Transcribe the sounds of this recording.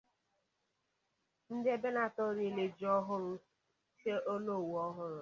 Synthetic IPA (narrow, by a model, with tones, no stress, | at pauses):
n̩˦dɪ˦e˦be˦na˨tɔ˦ɾi˨le˨d͡ʒɔ˦ɦʊ˦ɾʊ˦ | se˦ʔo˦no˦˨wɔ˦ɦʊ˦ɾʊ˨